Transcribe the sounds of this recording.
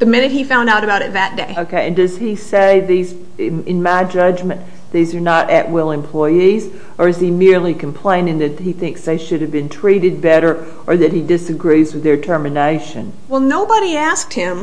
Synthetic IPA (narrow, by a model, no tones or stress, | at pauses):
ðɨmɪ̃ñɨt̚hifãʊ̃ndaʊɾɨbaʊɾɨt̪̚ðɨt̚d̥eɪoʊkʰeɪɨ̃ndʌz̥iseɪðiz | ɪ̃nmaɪd͡ʒʌd͡ʒmɨ̃n | ðizə˞nəɾɨ̰ʔwɪlˠɨ̃mpʰl̥ɔɪiz | ə˞ɨz̥imɪɹlikʰm̩pʰl̥ẽɪ̃nɪ̃ŋðɨt̚hiθɪ̃ŋksðeɪʃʊɾɨvbɨ̃ntʰɹ̥iɾɨd̚bɛɾə˞ | ʔə˞ðɨt̚hidɪsɨɡɹizwɨðə˞tʰɜ˞mɨneɪʃɨ̰̃n | wɛlˠnoʊbəɾiæsk̚t̚hɪ̃m